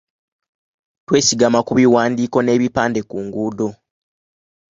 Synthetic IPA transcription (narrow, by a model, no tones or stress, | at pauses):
twe̞ːsiɡamakuβiwaːndiːko̞ne̞ːβipaːnde̞kuːŋɡuːdo̞